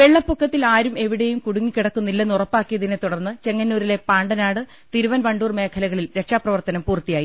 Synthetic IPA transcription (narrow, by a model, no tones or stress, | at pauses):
ʋeɭːɐpːukːɐt̪ːilaːɾume̞ʋiɽe̞jumkuɽuŋːikiɽɐkːunːilːɐnurɐpːaːkːijɐðinɨt̪uɽɐrnːɨt͡ɕe̞ŋːɐnːuːɾile̞paːɳɖɐnaːɽɨ | t̪iɾuʋɐnʋɐɳɖuːrme̞ːkʰɐlɐɣɐɭilɾe̞kʂaːprɐʋɐrt̪ɐnɐmpuːrt̪ːijaːji